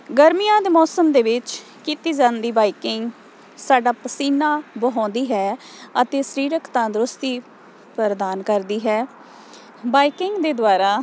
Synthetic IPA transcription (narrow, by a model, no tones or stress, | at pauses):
ɡəɾmijãːd̪eːmɔːsəmd̪eːʋɪt͡ʃ | kiːt̪iːd͡ʒaːnd̪iːbaːikɪŋɡ | saːɖaːpəsiːnaːbəɦɔ̃ːnd̪iːɦɛː | ət̪eːsəɾiːɾəkʰt̪ãːd̪ɾʊst̪iː | pəɾd̪aːnkəɾd̪iːɦɛː | baːikɪŋɡd̪eːd̪ʊaːɾaː